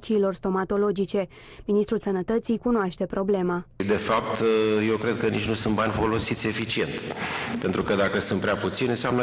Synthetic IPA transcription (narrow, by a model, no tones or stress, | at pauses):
t͡ʃiːlo̞rst̪o̞mat̪o̞lo̞d͡ʒit͡ʃe̞ | minist̪ɾulsənət̪ət̪sijkunoaʃt̪e̞pɾo̞ble̞mad̪e̞fap̚t̪je̞wkɾe̞d̪̚kənit͡ʃnusunt̪̚banʲfo̞lo̞sit̪sʲe̞fit͡ʃie̞nt̪pe̞nt̪ɾukəd̪akəsɨnt̪pɾeaput̪sinnseamnə